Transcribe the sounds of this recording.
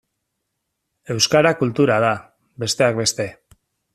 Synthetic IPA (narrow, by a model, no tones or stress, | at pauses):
e̞wskaɾakult̪uɾað̞a | be̞st̪e̞akbe̞st̪e̞